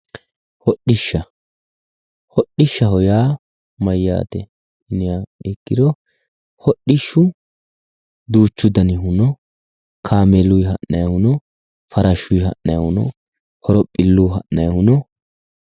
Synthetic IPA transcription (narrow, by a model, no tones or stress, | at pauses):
hɔɗɪʃːɐ | hɔɗɪʃːɐhɔjaː | mɐjːa̰ːt̪ɛ̰ | ʔɪnɪjaɛkːɪd̪ɔ | hɔɗɪʃːʊ | d̪uːt͡ʃːʊd̪ɐnɪɦʊnɔ | kʰaːmelːʊjɦɐʔːɐjɐhʊnɔ | fɐɾɐʃʊjhɐ̰ʔnɐjɐhʊnɔ̰ | hɔɾɔpʼːɪlːʊɦɐʔnɐjɐhʊnɔ